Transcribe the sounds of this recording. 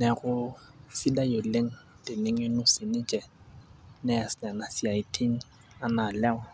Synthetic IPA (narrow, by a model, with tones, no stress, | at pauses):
nɛ˨ɣʊ˦sɪ˦da˦jo˨le˦ŋ̩˦˨ | tɪ˨ne˨ŋɪ˦nʊ˦sɪ˨nɪ˦t͡ʃʼɛ˨ | nɛ˦a˨sna˨na˨si˨a˨i˨tʰi˦ŋ̩ | a˨na˨lɛ˦wa˦˨